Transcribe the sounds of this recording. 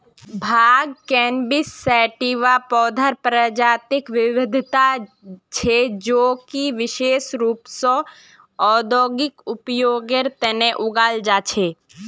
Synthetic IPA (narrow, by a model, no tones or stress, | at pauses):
bʱaːɡ̚kɛːnbɪsːɛːʈiʋapɔːd̪ʱəɾpɾəd͡ʒaːt̪ɪkʋɪʋɪd̪ʱt̪a | t͡ʃʰed͡ʒoːkiʋɪʃeːʃɾuːpsɔ̃ | ɔːd̪oːɡɪkʊpjoːɡeɾt̪ɛneʔʊɡaːld͡ʒaːt͡ʃʰeː